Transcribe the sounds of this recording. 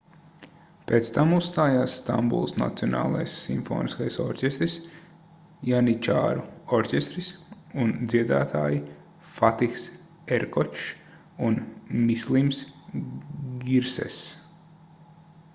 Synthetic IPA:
peːt̪st̪amusst̪aːjaːsːt̪a̰mbṵlˠsna̰t̪siɔna̰ːlˠa̰jsːḭmfo̰ːniskajsɔ̰ɾʲcʲest̪ɾis | janit͡ʃa̰ːɾuɔɾcʲest̪ɾis | und̪ziɛd̪a̰ːt̪ʰaːji | fat̪iks | ɛɾkɔt͡ʃ | unmislˠims | ɡiɾsɛ̰s

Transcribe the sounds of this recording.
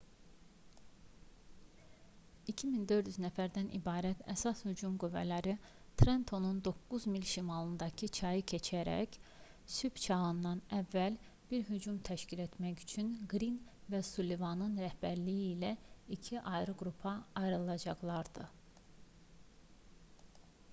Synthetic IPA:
icʰimind̪ø̞ɾd̪yznæfæɾd̪ænʔḭbɑːɾæt̪ʰæ̰sɑshyd͡ʒumɡyvːæ̰læɾi | t̪ʰɾent̪ʰo̞nund̪o̞kːuzmilʃimɑlˠɯnd̪ɑcʰɯt͡ʃʰɑjɯcʰe̞t͡ʃʰæɾæ̰c | syb̥t͡ʃʰɑɣɯnd̪ɑnævːæl | b̥iɾɦyd͡ʒumt̪ʰæʃcʰile̞t̪ʰmæɟy̥t͡ʃʰynɡɾinvæsulevɑnɯnɾæhbæɾlijiːlæicʰiʔɑjɾɯɡɾupʰɑɑjɾɯlˠɑd͡ʒɑɣlˠɑɾd̪̥ɯ

